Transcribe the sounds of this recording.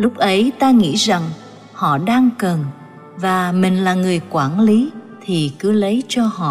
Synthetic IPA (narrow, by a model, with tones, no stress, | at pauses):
lʊ˦˥k͡p̚ʔə˨˦jt̪aː˧ŋḭ˧˥za˨˩ŋ | hɔ̰˧˨ɗaː˧ŋkə˨˩n | vaː˨˩mï˨˩ŋ̟laː˨˩ŋɨ˨˩əjkwaː˧˩nli˨˦t̪ʰi˨˩kɨ˨˦lə˨˦jt͡ɕɔ˧hɔ̰˧˨